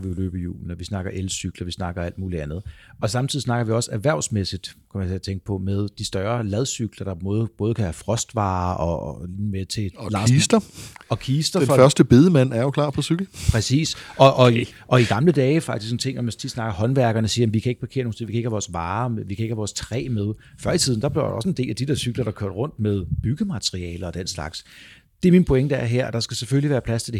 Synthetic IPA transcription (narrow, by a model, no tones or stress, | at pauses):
ʋilø̰ːb̥əjṵːln̩ɒʋisnɑ̈ɡ̥ɐʔelsyɡ̥lɐʋisnɑ̈ɡ̥ɐæl̰d̥muːliænð̞̩ˠʔɒ̽sɑ̈mt͡sʰiðˠisnɑ̈ɡ̥ɐʋiɒ̽sæɐʋæɐ̰ʊsmesid̥kʰæmænt͡sʰe̝ɐt͡sʰeŋɡ̥ə̥pʰɒ̽meðˠd̥isd̥ɶɐlɛð̞ˠsyɡ̥lɐd̥ɑmɔ̽ːðˠəb̥ɔ̽ːð̞ˠəkʰæhæfʁɒ̽sd̥ʋɑ̰̈ːʔɒ̰̽meɐt͡sʰe̝lɑsd̥ɐɒ̽kʰiːsd̥ɐnffɶɐsd̥əb̥e̝ðˠəmæn̰æɐjo̝kʰlɑ̰̈ːpʰɒ̽syɡ̥l̩pʰʁɛsḭːsɒ̽ʔɒ̽ʔɒ̽iɡ̥ɑ̈mləd̥ɛːɪfɑ̈ɡ̥isksn̩t͡sʰe̝ŋ̰nɒmænst͡sʰid̥snɑ̈ɡ̥ɐhɒ̽nʋæɐɡ̥ɐnəsiːɐjem̩ʋikʰæe̝ɡ̥̚pʰɑ̈kʰe̝̰ːɐnoːŋnʰsḛʋikʰæe̥hæʋɒːsʋɑ̈ːʋikʰæeɡ̥hæʋɒːst͡sʰʁɛ̰ːmeð̞ˠfɶɐ̰it͡sʰið̞̰ˠn̩d̥ɑ̈b̥leɐdɒ̽səe̝nde̝̰ːlæd̥id̥e̝ɐ̰syɡ̥lɐɾ̥ɑ̈kʰø̰ɐd̥ʁɔ̽n̰d̥með̞ˠb̥yɡ̥əmæt͡sʰʁiɛ̰ːləɒ̽d̥en̰slɑ̈ɡ̥s | d̥e̝æɐminpʰo̝eŋd̥ɑæɐ̰ɦeɐ̰d̥ɑ̈sɡ̥æseføliʋæːɐpʰlæst͡sʰe̝d̥e